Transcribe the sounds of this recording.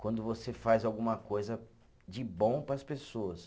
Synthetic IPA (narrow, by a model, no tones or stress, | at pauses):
kwɐ̃nd̪ʊvosefajzawɡũmɐkojzɐ | d͡ʒɪbõpɾɐspesoɐs